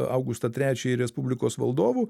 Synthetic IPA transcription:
ɑ̰ʊɡʊst̪ɐt̪ʲɾʲæːt͡ʃʲɛɪɾʲɛspʊbʲlʲɪkoːsʋɐ̰lˠd̪oːʋu

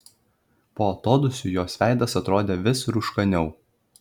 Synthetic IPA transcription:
poːɐt̪oːd̪ʊsʲuːjoːsʲʋʲæˑɪd̪ɐsɐt̪ɾoːd̪ʲeːʋʲɪsɾʊʃkɐnʲɛʊ

